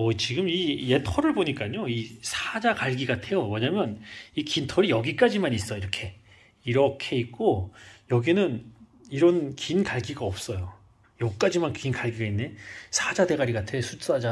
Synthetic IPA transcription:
ʌt͡ɕiɡɯmije̞tʰʌɾɯɭboɲik͈aɲoisʰad͡ʑakaɭɡiɡatʰe̞jomʌɲamjʌnikintʰʌɾijʌɡik͈ad͡ʑimanis͈ʌjoiɾʌkʰe̞ | iɾʌkʰe̞ik̚k͈ojʌɡinɯn | iɾʌnkinkaɭɡiɡaʌp̚s͈ʌjo | jʌk͈ad͡ʑimankinkaɭɡiɡainːesʰad͡ʑade̞ɡaɾiɡatʰe̞sʰus͈ad͡ʑa

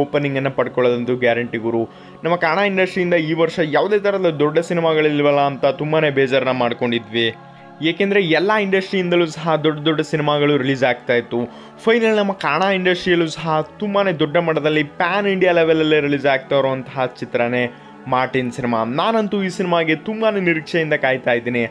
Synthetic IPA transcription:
oːpɐnːiŋɡɐnːɐpɐɽkɔɭod̪ɐnt̪uɡjaːɾɐɳʈiɡuɾu | nɐmːɐkaːɾɳaːiɳɖɐsʈɾijind̪ɐiːʋɐɾʂɐjaːʋd̪e̞ːt̪ʰɐɾɐdɐd̪ɔɖːɐsinimaɡɐɭilːʋɐlːɐːnt̪ɐt̪umbaːne̞ːbeːd͡ʒaɾɐnːɐmaːɖko̞ɳɖid̪ʋi | eːkend̪ɐɾeɛlːaːiɳɖɐsʈɾijind̪ɐluːsɐɦɐd̪ɔɖːɐd̪ɔɖːɐsinimaɡɐɭuɾiliːd͡ʒaːɡ̚t̪aːjit̪u | pʰɐjnɐlnɐmːɐkaːɾɳaːiɳɖɐsʈɾijɐlusɐɦɐt̪umbaːne̞d̪ɔɖːɐmɐɽɐd̪ɐlːipaːniɳɖijaːleʋɐlɐlːeɾiliːd͡ʒaːɡ̚t̪aːɾuɐnt̪ɐɦɐt͡ʃit̪ɾɐne̞ | maːɾʈinsinima̰naːnɐnt̪uiːsinimaːɡe̞t̪umbaneniɾikʂɐjind̪ɐkaːjt̪aːjd̪iːni

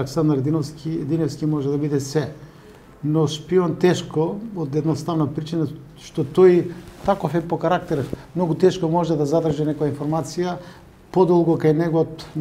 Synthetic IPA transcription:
lɛksand̪ɾd̪inofskid̪inɛfskimɔʒɛd̪abid̪ɛsɛ | nɔʃpiɔnt̪ɛʃkood̪ɛd̪nost̪avnapɾit͡ʃina | ʃt̪ɔt̪ɔjt̪akofɛpokaɾak̚t̪ɛɾmnɔɡut̪ɛʃkomɔʒɛd̪azad̪r̩ʒɛnɛkojainfoɾmat̪sija | pod̪ɔlˠɡokajnɛɡot̪

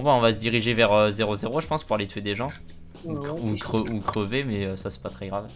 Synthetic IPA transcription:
ɔ̃baɔ̃vasəd̪iʁiʒevɛʁøzeʁozeʁoʒəpɑ̃spuʁalet̪ɥed̪eʒɑ̃ | uukχəukχəvemɛøsasɛ̥pat̪χɛɡʁav

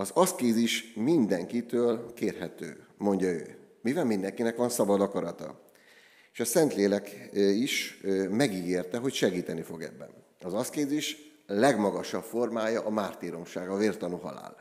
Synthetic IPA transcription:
ɒzɒskeːziʃmind̪ɛŋkit̪øːlkeːrɦɛt̪ø̰ːmo̞ɲɟɒø̰ː | mivɛlmind̪ɛŋkinɛkʋɒnsɒbɒd̪ɒkɒɾɒt̪ɒ̰ | eːʃɒsɛnt̪leːlɛkiʃmɛɡiɡeːrt̪ɛɦo̞cʃɛɡiːt̪ɛnifo̞ɡɛ̰bːɛ̰n | ɒzɒskeːziʃlɛɡmɒɡɒʃɒpfo̞rmaːjɒʔɒmaːrt̪iːɾo̞mʃaːɡɒveːrt̪ɒnuɦɒ̰la̰ːl

